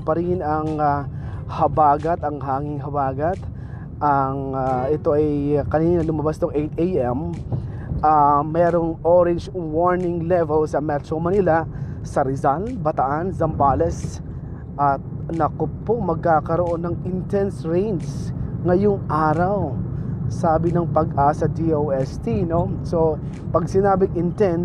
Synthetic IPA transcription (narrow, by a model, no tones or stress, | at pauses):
pɐɾiːhɪnɐŋa | hɐbaːɡɐt̪ɐŋɦaːŋɪŋɦɐbaːɡɐt̪ | ʔɐŋʔɛt̪o̞ʔɛjkɐniːnnɐlʊmɐbast̪oŋʔejt̪ejʔɛm | ʔamɛːɾoŋʔoɾɛnd͡ʒwoɹnɪŋlɛvɛlsɐmɛt̪ɾomɐnilasɐɾɪzalbɐt̪ɐʔanzɐmbalɛs | ʔɐt̪̚nɐkopomɐɡ̚kaːkɐɾoʔo̞nːɐŋɪnt̪ɛnsɹɛ̃jnsŋɐjoŋʔaːɾɐwsaːbɪnɐŋpɐɡʔaːsɐd̪iowɛst̪inoso | pɐɡ̚sɪnaːbɪŋʔɪnt̪ɛn